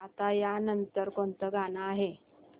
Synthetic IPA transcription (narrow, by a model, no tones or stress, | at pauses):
at̪ajanənt̪əɾkoɳt̪əɡanaːɦe